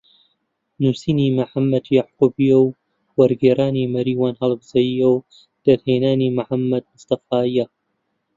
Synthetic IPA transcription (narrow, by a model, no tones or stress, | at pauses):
nuːsiːniːmaħamːɐd̪jaʕquːbijɐw | wɐɾɡeːɾaːniːmɐɾiːwaːnhɐlˠbz̥ɐjijɐw | d̪̥ɐd̪heːnaːniːmaħamːɐd̪̚mʊst̪ɐfaːija